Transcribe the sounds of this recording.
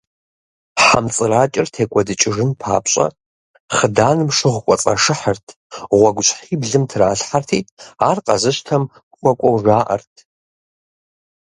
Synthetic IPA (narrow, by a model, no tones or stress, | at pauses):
ħamt͡sʼɨraːt͡ʃʼɪrtʰeːkʷʼɔdɨt͡ʃʼɪʐɨnpʰa̰ːpɕʼɐ̰ | χədaːnɨmʂɨʁʷkʷʼɔt͡sʼɐ̰ʂɨħərtʰ | ʁʷɔɡʷʊɕʼħiːbɮɨmtʰraːɬħartʰiːaːrqɐ̰zɨʃtʰɐmʷ | χʷɔkʷʼɔwʒaːʔɐ̰rtʰ